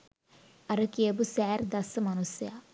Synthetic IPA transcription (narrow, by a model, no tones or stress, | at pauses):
ɐɾɐkeːbusɛːɾd̪ɐsɐmɐnusja